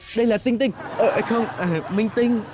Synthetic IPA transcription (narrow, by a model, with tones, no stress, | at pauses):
ɗə˧jlaː˨˩t̪ï˧ŋ̟t̪ï˧ŋ̟ʔə˨˩ʔxə˧wŋ͡mʔaː˨˩mï˧ŋ̟t̪ï˧ŋ̟